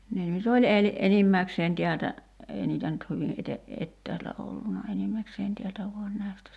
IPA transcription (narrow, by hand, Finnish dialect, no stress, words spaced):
ne nyt olʲ el enimːækseːn tiæltæ eˑi niːtæ nyt hyʋi ʔete etːæːltæ olːunɑ enimːækseːn tiæltæ ʋuɑn næˑi̞stæ